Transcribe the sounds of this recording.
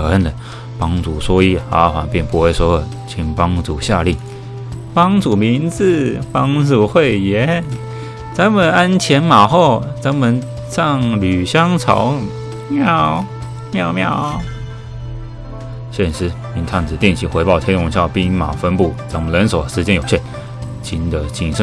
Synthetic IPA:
ɤ˨˩ə˥˩nd̪ə˨˩ | pɑ˥ŋt͡su˨˩swɔ˥i˥xa̰˧˥xwa̰˧˥npjɛ˥˧npu˧xwe˥˩ɪswɔ˥˨˩ | t͡ɕʰi˧˩ŋpɑ˥ŋt͡su˨˩ɕja˥˧li˥˩ | pɑ˥ŋt͡su˨˩mi˧˥nt͡sɹ̩˥˧˩pɑ˥ŋt͡su˥˨˩xwe˥˩ɪjɛ˧˥ | t͡sa˧˥nmə˨na˥nt͡ɕʰjɛ˧˥nma˨˩xo˥˩ʊt͡sa˧˥nmə˨n | ʂɑ˥˩ŋly˨˩ɕjɑ˥ŋt͡sʰɑ̰˧˥ʊ | mjɑ˥˩ʊ | mjɑ˥˧ʊmjɑ˥˩ʊ | ɕjɛ˥˩nʂɻ̩˧˥ | i˧˥nt̪ʰa˥˩nt͡sɹ̩˨˩t̪jɛ˥˩nt͡ɕʰi˧˥˩xwe˧˥ɪpɑ˥˩ʊt̪ʰjɛ˥nwʊ˧˥ŋɕjɑ˥˩ʊpi˥˩ma̰˨˩fə˥npu˥˩t͡sa˧˥nmə˨nlə˧˥nso˨˩ʊ˩ʂɻ̩˧˥t͡ɕjɛ˥njo˨˩ʊɕjɛ˥˩n | t͡ɕʰi˧˥nd̪ə˧t͡ɕi˨˩ŋʂə˧˥˧

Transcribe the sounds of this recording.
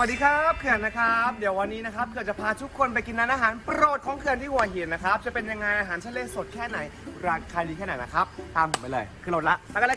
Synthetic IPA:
wa˩diː˧kʰaː˦˥p̚kʰɯ˨˩əna˦˥kʰa˦˥p̚di˨˩˦əwa˧nːiː˦˥na˦˥kʰa˦˥p̚kʰɯ˨˩t̚t͡ɕa˨˩pʰaː˧t̪ʰu˦˥kʰːo˧np̬a˧jki˧nːaː˧nʔaː˧ɦaː˩˦npɾoː˨˩t̪̚kʰɔː˩˦ŋkʰɯ˧nt̪ʰiː˥˩hu˨˩ɐɦi˨˩t̪̚na˦˥kʰɾa˦˥p̚t͡ɕa˨˩pe˧nja˧ŋːa˧jʔaː˧ɦaː˩˦nt͡ɕʰa˦˥leː˧so˨˩t̪̚kʰɛː˥˩na˩˦jɾaː˧kʰaː˧niː˧kʰɛː˥˩na˨˩jna˦˥kʰɾa˦˥p̚t̪aː˧mhu˨˩˦ma˥˩lɤː˧jkʰɯ˧lo˨˩t̪la˦˥aː˧˩ka˧lː

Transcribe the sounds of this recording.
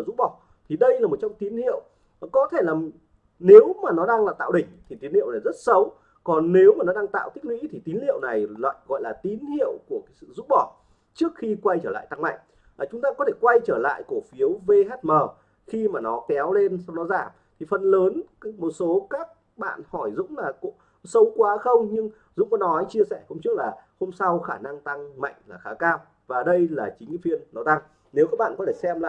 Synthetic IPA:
zu˦˥k͡p̚ɓɔ˧˩ | t̪ʰi˨˩ɗə˧jlaː˨˩mo˨˩t͡ɕɔ˧wŋ͡mt̪i˨˦nhḭ˧˨əw | kɔ˨˦t̪ʰe˧˩laː˨˩ | ne˨˦wmaː˨˩nɔ˨˦ɗaː˧ŋlaː˨˩t̪a̰ː˧˨wɗï˨˩ŋ̟t̪ʰi˨˩i˨˦nhḭ˧˨ə˨wlaː˨˩zə˦˥t̚sə˨˦w | kɔ˨˩nːe˨˦wmaː˨˩nɔ˨˦ɗaː˧ŋt̪a̰ː˧˨wt̪i˦˥k̚wḭ˧˥t̪ʰi˨˩t̪i˨˦nlḭ˧˨əwna˨˩jlwa̰ː˧˨jɣɔ̰˧˨jlaː˨˩t̪i˨˦nhḭ˧˨əwku˧˩əkaː˨˦sɨ̰˧˨zu˦˥p̚ɓɔ˧˩ | t͡ɕɨ˦˥ək̚xi˧kwa˧jt͡ɕəː˧˩la̰ː˧˨jt̪a˧ŋma̰ː˧˨ŋ | aː˨˩t͡ɕʊ˨˦ŋ͡mt̪aː˧kɔ˨˦t̪ʰe˧˩kwa˧jt͡ɕəː˧˩la̰ː˧˨jko˧˩fi˨˦əwve˧ɦɛ˦˥t̚məː˨˩ | xi˧maː˨˩nɔ˨˦kɛ˨˦wle˧nsa˧wnɔ˨˦zaː˧˩m | t̪ʰi˨˩fə˨˩nləː˨˦nmo˨˩t̚so˨˦kaː˦˥k̚ | ɓa̰ː˧˨nhɔ˧˩jzʊ̰˧˥ŋ͡mlaː˨˩ko̰˧˥ | sə˨˦wkwaː˨˦xə˧wŋ͡mɲɨ˧ŋ | zʊ̰˧˥ŋ͡mkɔ˨˦nɔ˨˦jt͡ɕi˧əsɛ˧˩ho˧mŋ͡mt͡ɕɨ˦˥ək̚laː˨˩ho˧msa˧wxaː˧˩na˧ŋt̪a˧ŋma̰˧˨jŋ̟laː˨˩xaː˨˦kaː˧m | vaː˨˩ɗə˧jlaː˨˩t͡ɕï˨˦ŋ˨˦fi˧ənːɔ˨˦t̪a˧ŋ | ne˨˦wkaː˦˥ɓa̰ː˧˨kɔ˨˦t̪ʰe˧˩sɛ˧mlaː˨˩

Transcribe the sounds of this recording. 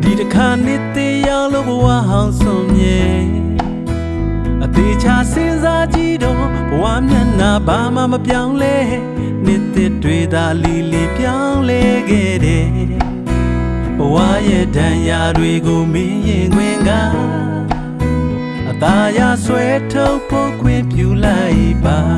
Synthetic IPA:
d̥i˨təkʰa˨n̥ɪ˦t̪ɪ̃˦˨jã˦ʊ̃lo˦˨bəwa̰˦˨ɦã˨ʊ̃sõ˨mjɛ̃˨ | ʔət̪e˨t͡ɕʰa˦sɪ̃˦nza˦d͡ʑi˦dɔ˨ | b̥əwa̰˦˨m̥jã˦na˨ba˨ma̰˦˨məpjã˦ʊ̃lɛ˦jɪ̃˦˨ | n̥ɪ˦t̪ːɪ˦twe˨d̪a˨ʔle˨lɪ̃˨pjã˦lɛ˦ɡɛ˦˨ɾɛ˨ | b̥əwa̰˦˨jɛ˦˨dã˨ja˨dwe˨ɡo˨me˦jɪ̃˨ŋɡwɪ̃˦˨ŋɡa˦˨ | ʔət̪a˨ja˦˨swɛ˦tʰo˦ʊ̃pʰo˦kʰwɪ̃˦˨mpju˦˨la˦ɪʔba˨

